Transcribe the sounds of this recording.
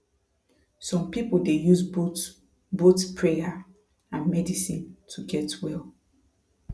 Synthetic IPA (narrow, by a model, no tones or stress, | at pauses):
sɔ̃mpipuldejuzbo | botpʰɹeja | ãnmɛdisĩntʰuɡɛtwɛlˠ